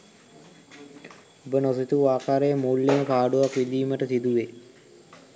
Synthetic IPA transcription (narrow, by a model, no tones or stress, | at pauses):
obənosit̪uaːkaːɾejəmuːlːeməkaːɖuʋakʋid̪iːməʈəsid̪uʋe